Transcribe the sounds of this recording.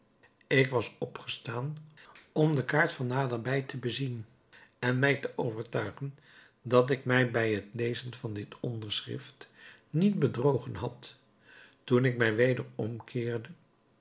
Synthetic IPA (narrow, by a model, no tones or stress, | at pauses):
ɪkʋɑsɔpχə̥staːnɔmdəkaːɹtfɑnːaːdəɹbɛjtʰəbəzin | ɛnmɛjtəʔowvəɹtœɥχən | dɑt̬ɪkmɛjbɛjɦətlejzənvɑndɪtɔndəɹsχɪ̰ftnit̚bədrowχənɦɑt | tunɪk̚mɛjʋejdəɹɔmkʰɪːɹdə